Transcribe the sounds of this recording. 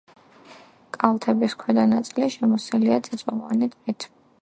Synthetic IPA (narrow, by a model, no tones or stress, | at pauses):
kʼalt̪ʰɛbiskʰwɛd̪anat̪sʼiliʃɛmɔsɛliat̪sʼɛt̪sʼɔlwa̰nit̪ʰmɛt̪ʰi